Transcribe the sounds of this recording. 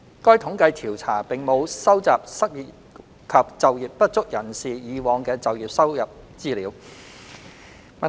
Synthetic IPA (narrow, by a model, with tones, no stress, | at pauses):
kɔː˥jt̪ʰʊ˨˥ŋkɐ˧jt̪ʰiː˨˩wt͡sʰaː˨˩pɪ˨ŋmo˨˧wsɐ˥wt͡saː˨p̚sɐ˥t̚ji˨t | kʰɐ˨p̚t͡sɐ˨wjiː˨p̚pːɐ˥t̚t͡sʊ˥k̚jɐ˨˩nsiː˨jiː˨˧wɔː˨˧ŋkɛː˧t͡sɐ˨wjiː˨p̚sɐ˥wjɐ˨p̚ | t͡siː˥liː˨˥w | mɐ˨